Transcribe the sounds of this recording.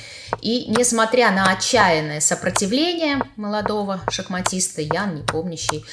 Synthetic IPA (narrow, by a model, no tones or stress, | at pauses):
inʲɪsmɐt̪ɾʲanəɐt͡ɕːæjɪnːəjəsəpɾətʲɪvlʲenʲɪjəməlˠɐd̪o̞vəʂəxmɐtʲist̪əjannʲɪpomnʲʊɕːɪj